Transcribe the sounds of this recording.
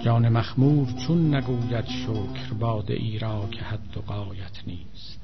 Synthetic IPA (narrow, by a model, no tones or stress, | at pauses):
d͡ʒɒːnemæxmuːɾt͡ʃʰunːæɡuːjæd̪ʃoːkʰɾbɑːd̪ḛʔiːɾɑːkʰehæd̪ːoɣɑːjæt̪ʰniːst̪